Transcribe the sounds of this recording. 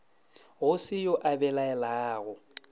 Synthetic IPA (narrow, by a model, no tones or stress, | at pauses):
ɣʊsɪjɔʔabɛlaɛlaːɣʊ